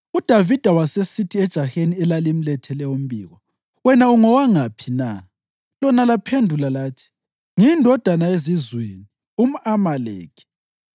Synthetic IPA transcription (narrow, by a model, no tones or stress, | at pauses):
ud̥ʱavid̥ʱawasesitʰiɛd̥ʒ̥ʱaxeniɛlalim̩lɛtʰɛlɛum̩bḭːɣɔ | wɛnauŋɔwaŋapʰina | lɔnalapʰendʱulalaːtʰi̥ | ŋindʱɔd̥ʱanaezizwḛːni | um̩amalḛːkʰi̥